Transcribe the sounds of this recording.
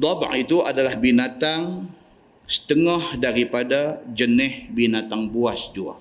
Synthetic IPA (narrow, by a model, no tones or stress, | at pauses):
d̪ˤɑb̰ʕit̪uadalahbinat̪aŋ | sə̥t̪əŋɔhdaɾipadad͡ʒənɛhbinat̪aŋbuasd͡ʒua̰